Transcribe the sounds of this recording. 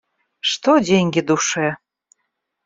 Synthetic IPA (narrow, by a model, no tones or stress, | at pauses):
ʃt̪odʲeŋɡed̪uʃe